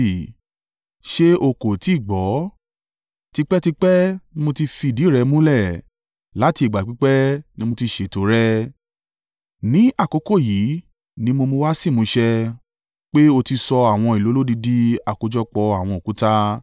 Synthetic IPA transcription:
ʃe˦o˧˨ko˨ti˨˦˨ɡ͡bɔ˨˦ | ti˧k͡pɛ˦ti˧k͡pɛ˦nĩ˦mo˧ti˧fi˧˨di˨˦˨ɾɛ˧mũ˦lɛ˦˨ | la˨˦ti˧˨ɡ͡ba˨k͡pi˦k͡pɛ˦nĩ˦mo˧ti˧ʃe˨to˨˦ɾɛ˦ | nĩ˨˦a˦˨kɔ˨˦ko˦˨ji˨˦ | nĩ˦mo˧mo˧wa˦si˦˨mũ˧˦ʃɛ˧ | k͡pe˦o˧ti˧sɔ˧a˨w̃ɔ̃˧i˨lo˨˦lo˦di˧di˦a˦˨ko˨˧d͡ʒɔ˦k͡pɔ˧a˨w̃ɔ̃˧o˨ku˨˦ta˦

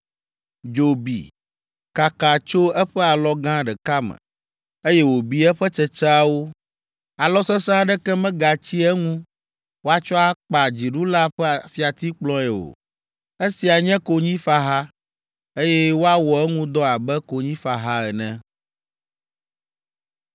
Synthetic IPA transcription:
d͡ʒo˨bḭ˨ | ka˨ka˨t͡ʃo˦ɛ˦ɸɛ˦a˨lɔ˦ɡã˦ɖɛ˨ka˦mɛ̰̃˨ | e˦jɛ˦wo˨bi˦ɛ˦ɸɛ˦t͡ʃɛ˨t͡ʃɛ˦a˦wo˦ | a˨lɔ˦sɛ˦sã˦ɖɛ˦kɛ˦mɛ̃˦ɡa˨t͡ɕi˦ɛ˦ŋũ˦ | wo˦a˦t͡ʃɔ˦a˦k͡pa˨d͡ʑi˨ɖu˦la˦ɸɛ˦a˨fi˦a˨t̪i˦k͡plɔ̃˦ɛ˨wo̰˨ | e˦si˨a˨ɲɛ̃˦ko˨ɲĩ˦fa˦ɦa˦ | e˦jɛ˦wo˦a˦wɔ˨ɛ˦ŋũ˦d̪ɔ˦a˨bɛ˦ko˨ɲĩ˦fa˨ɦa˦ɛ˨nɛ̃˦

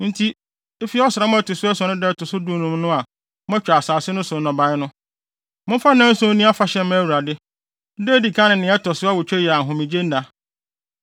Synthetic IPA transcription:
n̩˦tʰi˦ | e˦fi˦ɔ˦sɾa˨˦mʊ̃˦æ˦tʊ˨sʊ˦ɛ˦sɔ˨nʊ̃˦dɛ˦tʰʊ˨sʊ˦du˦˨nũ˨mnʊ̃˦a˨ | m˦ɛ̃˦t͡ɕᶣa˨saː˨sɪ˦nʊ̃˦sʊ˨˦nɔ̃˨ba˨˦ɪ˦nʊ̃˦ | mʊ̃˦fa˦nã˦n̩˦sʊ̃˦nĩ˦a˦fa˨ɕɛ̃˨˦m˦æ˦wu˨ɾa˨dɪ˦ | deː˦˨di˨kʰã˦nɪ̃˨nɪ̃˨˦ɛ˦tʰɔ˨sʊ˦a˦wʊ˨t͡ɕᶣɛ˦jɛ˨a˨ɦʊ̃˨mĩ˨d͡ʑe˦n̩˦nã˨

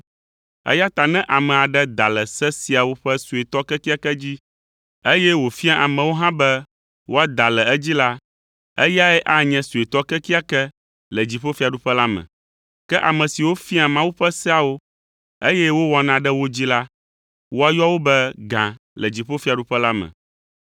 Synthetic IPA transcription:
ɛ̰˦ja˦t̪a˨nɛ̃˦ʔa˨mɛ̃˨a˨ɖɛ˦d̪a˨lɛ˨sɛ˦si˨a˨wo˦ɸɛ˦su˨e˨t̪ɔ˦kɛ˦ki˦a˦kɛ˦d͡ʑi˦ | e˦jɛ˦wo˨fi˦a˦ʔa˨mɛ̃˨wo˦ɦã˦bɛ˦ | wo˦a˦d̪a˨lɛ˨˦d͡ʑi˦la˦ | ɛ˦ja˦ɛ˦ʔa˦ɲɛ̃˨su˨e˨t̪ɔ˦kɛ˦ki˦a˦kɛ˦ | lɛ˨d͡ʑi˨ɸo˦fi˦a˨ɖu˦ɸɛ˦la˦mɛ̰̃˨ | kɛ˦ʔa˨mɛ̃˨si˨wo˦fi˦a˨mã˦wu˦ɸɛ˦sɛ˦a˨wo˦ | e˦jɛ˦wo˦wɔ˨nã˨ɖɛ˦wo˦d͡ʑi˦la˦ | wo˦a˦jɔ˦wo˦bɛ˦ɡã˨ | lɛ˨d͡ʑi˨ɸo˦fi˦a˨ɖu˦ɸɛ˦la˦mɛ̰̃˨

